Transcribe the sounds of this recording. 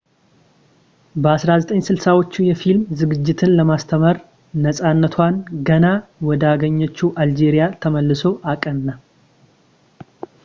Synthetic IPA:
bəasɾazət̪ʼəɲːsɨlsawo̞t͡ʃːujɛfilmzɨɡɨd͡ʒːɪt̪ʰɨnləmast̪ʰəməɾ | nəsʼanːət̪ʰwanɡənawɔd̪aɡəɲːɛt͡ʃːuʔald͡ʒe̞ɾijat̪ʰəməlːɨso̞ʔakʼənnːa

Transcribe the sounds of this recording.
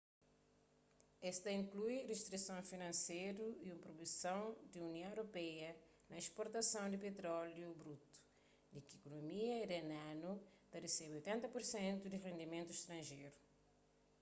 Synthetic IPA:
ɛst̪ɐĩŋklujreʃt̪ɾisɐ̃w̃finɐ̃nsejɾuiũmpɾobisɐ̃w̃d̪iuniɐ̃w̃eɾopɛjɐ | nɐeʃpoɾt̪ɐsɐ̃w̃d̪ipet̪ɾɔljubɾut̪u̥ | d̪ikikonomiɐidenãnut̪ɐresebojt̪ẽnt̪ɐpuɾsẽnt̪ud̪irẽnd̪imẽnt̪uiʃt̪ɾɐ̃ʒejɾu

